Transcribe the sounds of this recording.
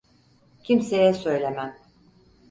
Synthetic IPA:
cʰimsejɛsø̞jlʲemæm

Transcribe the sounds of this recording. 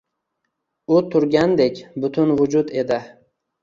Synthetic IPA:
ʊt̪ʰʊɾɡʲand̪ekʲbʊt̪ʰʊnvʊd͡ʒʊd̪e̞d̪ɪ

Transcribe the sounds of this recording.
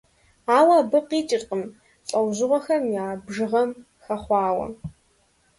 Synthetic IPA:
aːwaːbɨqiːt͡ʃʼɪrqʼəm | ɬʼɐwʑɪʁʷɔxɐmjaːbʒɨʁɐm | xɐχʷɑːwɐ̰

